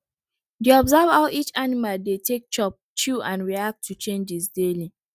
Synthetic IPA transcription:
deɔbzavaʊʔit͡ʃanimaldetʰek̚t͡ʃɔp̚t͡ʃuãnɹiak̚tʰːut͡ʃẽnd͡ʒisdeli

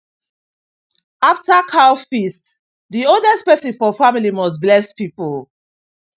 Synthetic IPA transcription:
aftakʰaʊfist | diodɛstpɛsĩnfɔfamilimɔs̬blɛspipol

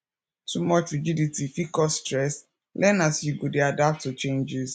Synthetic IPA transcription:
tʰumɔt͡ʃɹid͡ʒiditifikɔstɹɛs | lʔɛnasjuɡodeadap̚tːut͡ʃẽnd͡ʒiz

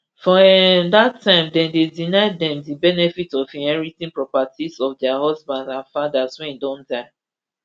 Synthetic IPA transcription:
fɔdatʰːãɪ̃mdɛ̃ndedinaɪddɛ̃mdibɛnɛfitɔvĩnhɛɹitĩnpɹɔpatizɔfdɛaɦɔzbãndãnfadazwɛ̃ndɔ̃ndaɪ

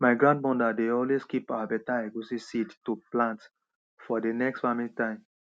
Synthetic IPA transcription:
maɪɡɹãnd̚mɔ̃ndadeɔlweskipaabɛtaɛɡusisidtuplãnt | fɔdenɛkstfamĩntãɪ̃m

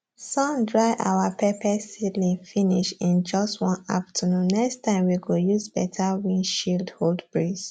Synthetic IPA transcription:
sɔ̃ndɹaɪʔa̰wapʰɛpʰɛsidlĩfĩniʃĩnd͡ʒɔstwɔ̃na̰ftʰənũnːɛkstãɪ̃mwiɡojuzbɛtʰawĩnʃildholdbɹis

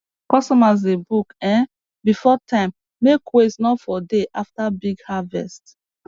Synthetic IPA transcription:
kɔstɔmaz̬debukɛ̃n | bifɔtʰãɪ̃mː | ekwesnɔfɔdeʔaftabiɡhavɛ̰st

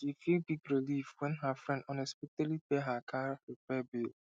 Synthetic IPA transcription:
ʃifilbiɡɹilifwɛ̃nɦəfɹɛ̃ndɔnɛspitɛlipeɦakʰaɹipɛbil

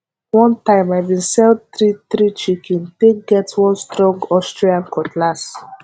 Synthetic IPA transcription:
wɔ̃ntãɪ̃maɪbĩnsɛldθɹiθɹit͡ʃikĩnteɡɛtwɔ̃nstɹɔ̃ŋɡɔstɹiãnkʰɔtʰlas

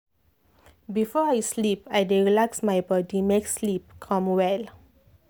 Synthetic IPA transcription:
bifɔajslipajɹiɹilaksmajbɔdimekslip̚kʰɔ̃mwɛl

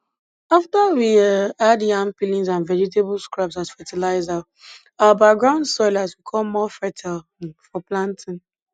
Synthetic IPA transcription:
aftawiadiãnpilĩnzãnvɛɹitebʊlskɹapsazfɛtʰɛlaɪza | abak̚ɡɹãʊ̃ndsɔɪlazwikʰɔlmɔfɛtʰalfɔplãntʰĩn

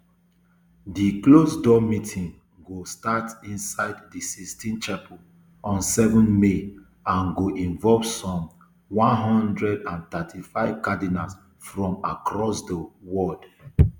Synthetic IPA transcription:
diklosdɔmitʰĩŋ | ɡostatĩnsaɪddisistʰĩnt͡ʃapʰɔ | ɔ̃nsɛvɔ̃nme | ãnɡoʔĩɱvɔlvsɔ̃m | wɔ̃nɦɔ̃ndɹɛdãnt̪atʰifaɪv̥kadinas | fɹɔ̃ma̰kɹɔsdəwɔd

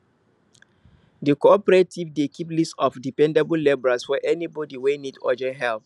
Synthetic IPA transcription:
dikoɔpəɹetʰivdekʰiplistɔfdipɛ̃ndɛbəl̩lebɹaswɛʔɛnibɔdiwenidɔ̰d͡ʒɛ̃nɦɛlθ

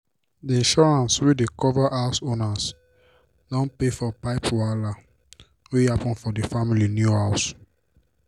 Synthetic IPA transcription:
diĩnʃɔɹãnswidekɔvaʔaʊsõnas | dɔ̃npefɔpaɪpwala | wihapɔ̃nfɔdifamilinjuhaʊs

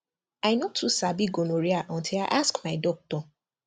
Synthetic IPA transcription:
aɪnotʰusabiɡonoɹiaʔɔ̃ntʰilaɪʔaskmaɪdɔk̚tɔ

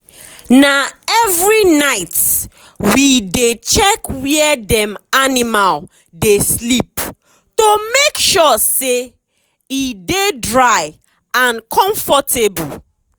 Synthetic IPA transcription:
naɛvɹinaɪt | widet͡ʃɛkwiɛdɛ̃manimal | deslip̚ | tomekʃɔse | idedɹaɪ | ãnkʰɔ̃ɱfɔtʰebu

